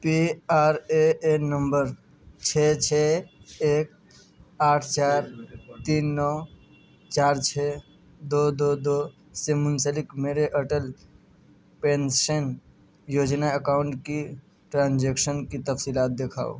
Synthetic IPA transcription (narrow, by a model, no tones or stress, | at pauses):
piaɾeenəmbəɾ | t͡ʃʰet͡ʃʰeeːk̚ | aːʈʰt͡ʃaːɾt̪iːnːɔ | t͡ʃaːɾt͡ʃʰe | d̪od̪od̪o | semʊnsəlɪkmeɾeʔəʈəl | pensən | joːd͡ʒnaəkaːʊɳʈki | ʈɾãːnd͡ʒekʃənkit̪əfsilaːt̪̚d̪ekʰa̰ːo̰